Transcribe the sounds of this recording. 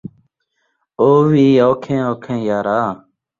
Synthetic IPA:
oːʋiːoːkʰẽːoːkʰẽːjaːɾaː

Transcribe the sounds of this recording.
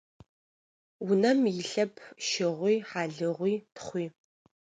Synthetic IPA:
wʊnɐmjɪɬɐpʰʃɪʁʷiːħaːɮɨʁʷiːtʰχʷiː

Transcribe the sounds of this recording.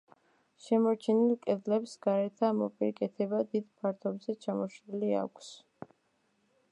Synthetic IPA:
ʃɛmɔɾt͡ʃʰɛnilˠkʼɛd̪lɛpsɡaɾɛt̪ʰamɔ̰pʼiɾikʼɛt̪ʰɛbad̪id̪pʰaɾt̪ʰɔbzɛt͡ʃʰamɔʃɾilia̰kʷʰs

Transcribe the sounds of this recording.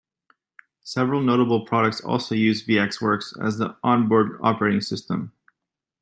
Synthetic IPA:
sɛvɹl̩ˠnoʊɾəbl̩ˠpʰɹ̥ɑɾək̚tsɔ̰lˠsoʊjʉzviɛkswɜ˞ksɨ̰zðiʔɑ̃nbɔɹdɑ̰pə˞eɪɾɪ̃ŋsɪstə̰̃m

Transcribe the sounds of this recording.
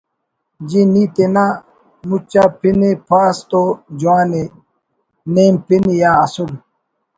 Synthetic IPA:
d͡ʑiniːt̪ena | mut͡ɕapinepʰaːst̪od͡ʑuaːne | neːmpinijãːɐsul

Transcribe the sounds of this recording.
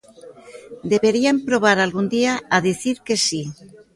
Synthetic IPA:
d̪eβeɾiampɾoβ̞aɾalɣund̪iaaðiθiɾkesi

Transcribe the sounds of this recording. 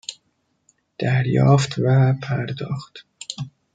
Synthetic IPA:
d̪̥æɾjɒːft̪ʰvæpʰæɾd̪ɒːxt̪

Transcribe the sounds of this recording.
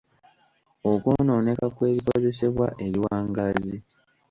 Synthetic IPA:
okono̞ːne̞kakwe̞ːβikwoze̞se̞βwa̰ʔe̞ɾiwaːŋɡazi

